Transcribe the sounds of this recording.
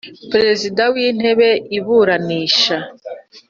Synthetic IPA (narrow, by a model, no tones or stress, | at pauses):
pɾe̞zidawiːn̥he̞βe̞ʔiβuːɾaniːʃa